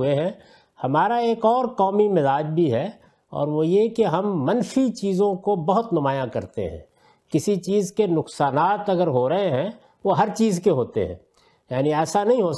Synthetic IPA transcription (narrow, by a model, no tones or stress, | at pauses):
eɦɛ̃ | hɐmaːɾaeːkɔːɾkɔːmimɪzaːd͡ʒbʱiɦɛ | ɔ̰ːɾʋojekeɦɐmːɐnfit͡ʃiːzõkobɐɦʊt̪nʊmaːjãkɐɾt̪ḛɦɛ̰̃ː | kɪsit͡ʃiːzkenʊqsaːnaːt̪ɐɡəɾɦoːɾɐɦeɦɛ̃ | ʋoɦɐɾt͡ʃiːzkeɦoːt̪ḛɦɛ̰̃ː | jaːniɛːsanɐɦĩɦoː